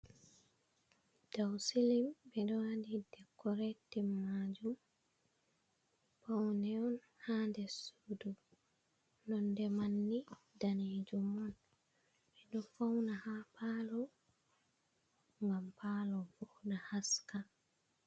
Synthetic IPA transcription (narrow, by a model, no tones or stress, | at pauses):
d̥awsilimbɛɗɔadidɛkːɔɾɛtːɛmːad͡ʒum | pawnɛɔn | handɛsudu | nɔndɛmanːi | daned͡ʒumɔn | bɛɗɔfawnahapalɔ | ŋɡampalɔbɔdahaskal